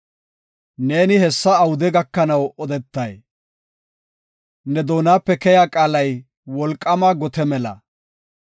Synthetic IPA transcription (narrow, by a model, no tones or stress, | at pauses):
ne̞ːnɪhɛsːɐːwʊd̪ɛɡɐkːɐnɐwɔd̪ɛt̪ːɐj | nɛd̪oːnaːpːɛkɛjaːkʼaːlɐj | wɔlkʼːɐmɐɡɔt̪ɛmɛlɐ̰